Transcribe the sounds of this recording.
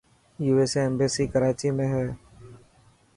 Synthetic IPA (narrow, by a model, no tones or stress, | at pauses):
juːeːseɛmbeːsiːkəɾaːt͡ʃiːmẽːɦɛː